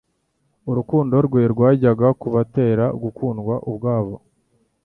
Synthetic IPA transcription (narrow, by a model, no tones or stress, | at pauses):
uɾukuːndo̞ɾɡweɾɡwaːɟaɡakuβate̞ːɾaɡukʰuːnɡwaʔubɡaːβo̞̰